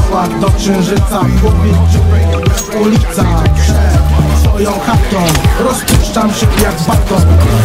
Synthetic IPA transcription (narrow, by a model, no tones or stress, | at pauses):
wad̪ɔkʂɛ̃w̃ʐɘt̪saɡwɔpʲi | ulʲip̚t̪sapʂɛsfɔjɔ̃w̃xat̪ɔ̃wɾɔspuʂt͡ʂamɕɛjaɡbat̪ɔ̃